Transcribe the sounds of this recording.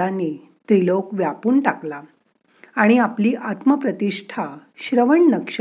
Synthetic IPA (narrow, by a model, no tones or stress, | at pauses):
ane | t̪ɾilokʋjapuːnʈakla | aɽ̃iapliːʔat̪məpɾət̪iʂʈʰaɕɾəʋəɳnəkʂ